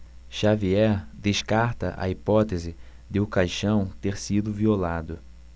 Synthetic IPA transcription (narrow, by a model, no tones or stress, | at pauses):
ʃaviɛɾd̪eʃkaɾt̪ɐ̰ʔɐ̰ipɔt̪ezɪ | d̪ɪʊkajʃɐ̃w̃t̪eɾsid̪ʊviolad̪ʊ